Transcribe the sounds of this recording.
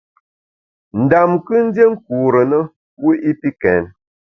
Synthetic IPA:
n̩˨da˨mkɨ˦n̩˦de˦ŋ̩˦ku˨ɾə˨nə˦ | wu˦ʔi˦pi˦kɛ˨n

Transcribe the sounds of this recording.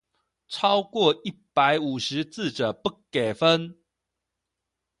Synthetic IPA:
ʈ͡ʂʰɑ˦ʊkwɔ˥˨i˥˩pa˨˦ɪu˨˩ʂɻ̩˨˦t͡sɹ̩˥˨ʈ͡ʂə˨˩pu˥˩kːe˨˩fə˦n

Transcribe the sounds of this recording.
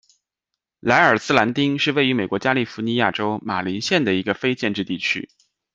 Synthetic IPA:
la˧˥ɪə˞˨˩sɹ̩˥la˧˥nt̪i˥ŋʂɻ̩˥˧we˥˩ɪy˧˥me˨˩ɪkwɔ˧˥t͡ɕja˥li˥˩fu˧˥ni˧˥ja˥˩ʈ͡ʂo˥ʊma˨˩li˧˥nɕjɛ˥˩nd̪ə˩i˧˥ɡə˧fe˥ɪt͡ɕjɛ˥˧nʈ͡ʂɻ̩˥˧t̪i˥˩t͡ɕʰy̰˥

